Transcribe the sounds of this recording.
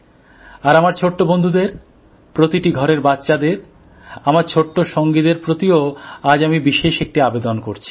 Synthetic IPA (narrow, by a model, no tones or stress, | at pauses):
aɾamaɾt͡ɕʰoʈːobond̪ʱud̪eɾ | pɾot̪iʈiɡʱɔɾeɾbatːɕad̪eɾ | amaɾt͡ɕʰoʈːoʃoŋɡid̪eɾpɾot̪ioad͡ʑamibiʃeʃek̚ʈiabed̪onkoɾt͡ɕʰi̥